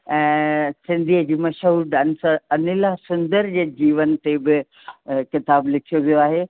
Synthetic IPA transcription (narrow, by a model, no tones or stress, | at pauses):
ɛ̃ːsɪ̃nd̪ʱiɦəd͡ʑiːmɐʃɦuːɾɖɐnsɐnɪlasʊ̃nd̪əɾd͡ʑeːd͡ʑiːʋənt̪ebɪ | kɪt̪aːblɪkʰijoʋijoaːɦeː